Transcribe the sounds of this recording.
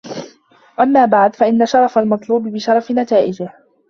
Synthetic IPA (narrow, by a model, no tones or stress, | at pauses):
ʔamːaːbaʕd̪faʔɪnːaʃɑɾˤɑfalmɑt̪ˤluːbɪbɪʃɑɾˤɑfɪnat̪aːʔɪd͡ʒɪh